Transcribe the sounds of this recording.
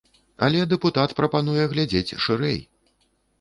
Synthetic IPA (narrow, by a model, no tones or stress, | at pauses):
a̰lʲɛd̪ɛput̪at̪pɾɐpan̪ujɛɣlʲad͡zʲet͡sʲʂɨɾɛ̰j